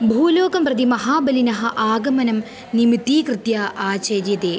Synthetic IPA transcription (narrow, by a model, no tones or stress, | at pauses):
bʱuːloːɡɐmprɐd̪imɐɦaːbɐlinɐɦɐʔaːɡɐmɐnɐm | nimit̪ːiːkrɨt̪jaːʔaːt͡ɕɐdjɐd̪eː